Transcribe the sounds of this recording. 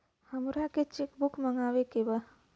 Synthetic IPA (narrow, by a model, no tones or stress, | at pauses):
hɐmɾaket͡ʃekbukmɐŋɡaːʋekeba